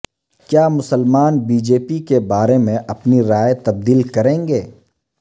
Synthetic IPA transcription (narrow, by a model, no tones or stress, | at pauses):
kjaːmʊsəlmaːnbiːd͡ʒeːpikebaːɾemẽʔɐpniɾaːjet̪ɐb̚d̪iːlkɐɾẽːŋɡeː